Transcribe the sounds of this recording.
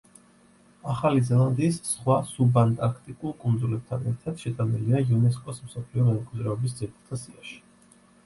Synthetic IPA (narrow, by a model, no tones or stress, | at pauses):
aχalizɛlˠand̪iːsːχwasubant̪ʼaɾkʰt̪ʼikʼulˠkʼund̪zulɛb̚t̪ʰanɛɾt̪ʰad̪̥ʃɛt̪ʼaniliaiunɛs̬kʼɔsmsɔpʰliɔmɛnɛkʼidzɾɛɔbis̬d̪ziɛtut̪ʰasiaʃi̥